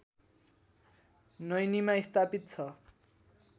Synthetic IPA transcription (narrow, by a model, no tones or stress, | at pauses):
nʌjnimaist̪apit̪̚t͡sʰʌ